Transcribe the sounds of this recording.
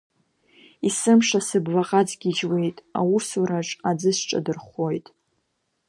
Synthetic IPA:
isɨmʂasɨblaqʼad͡zɡʲid͡ʒwe̞jtʼa̰wusuɾaʈ͡ʂʼad͡zɨʃʈ͡ʂʼa̰dɨrχo̞jtʼ

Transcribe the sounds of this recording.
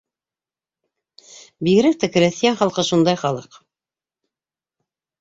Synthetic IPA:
biɣɘ̆ɾæk̚t̪ækɘ̆ɾæθijænχɑlˠqɤʃund̪ɑjχɑlˠɤq

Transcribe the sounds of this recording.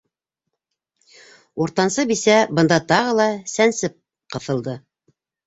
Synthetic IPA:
uɾt̪ɑnsɤbisæbɤ̆nd̪ɑt̪ɑʁɤlˠɑsænsɘp̚ | qɤ̆θɤ̆lˠd̪ɤ

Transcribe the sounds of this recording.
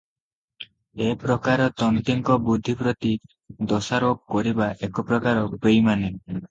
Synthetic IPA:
epɾɔkaɾɔt̪ɔnt̪iŋkɔbud̪ʱːipɾɔt̪i | d̪ɔsaɾok̚kɔɾibaʔekɔpɾɔkaɾɔpejmane

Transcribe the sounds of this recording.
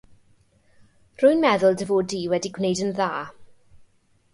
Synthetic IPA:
r̥ʊɨnmɛðʊlˠdəvoːdiːwɛdiɡwnejdənðaː

